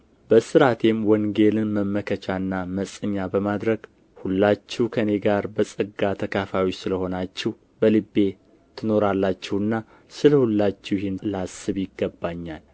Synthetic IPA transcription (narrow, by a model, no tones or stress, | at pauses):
bəsɨɾat̪ʰe̞mwəŋɡe̞lɨnməmːəkʰət͡ʃʰanːaməsʼɨɲːabəmad̪ɾəɡ | hulːat͡ʃːɛwkʰəne̞ɡaɾbəsʼɨɡat̪ʰəkʰafawot͡ʃːsɨləho̞nat͡ʃːɛw | bəlɨbːe̞ | t̪ʰɨno̞ɾalːat͡ʃːɛwɨnːa | sɨləhulːat͡ʃːɛwjɪhɪnlasɨβjɪɡːəbːaɲːal